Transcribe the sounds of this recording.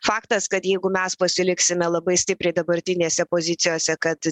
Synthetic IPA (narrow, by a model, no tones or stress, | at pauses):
fɑːkt̪ɐskɐt̪jɛɪɡʊmʲɛspɐsʲɪlʲɪksʲɪmʲɛlˠɐbɐɪsʲt̪ʲɪpʲɾʲɛɪd̪ɐbɐɾʲt̪ʲɪnʲeːsʲɛpoːzʲɪt̪sʲɪjoːsʲɛkɐt̪